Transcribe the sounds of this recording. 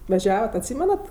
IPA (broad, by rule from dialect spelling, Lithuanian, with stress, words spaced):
ʋɐˈʒʲæːʋɐt ɐtʲˈsʲiːmʲɛnɐt